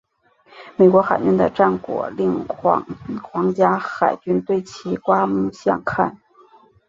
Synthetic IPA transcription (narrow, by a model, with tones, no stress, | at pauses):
me˨˩ɪkwɔ˧˥xa˨˩ɪt͡ɕy˥nd̪ə̰˧ʈ͡ʂa˥˩nkwɔ̰˨˩li˥˩ŋ˧˥ | xwɑ˧˥ŋt͡ɕja˥xa˨˩ɪt͡ɕy˥nt̪we˥˩ɪt͡ɕʰi˧˥kwa˥mu˥˧ɕjɑ̰˥˧ŋkʰa̰˥˩n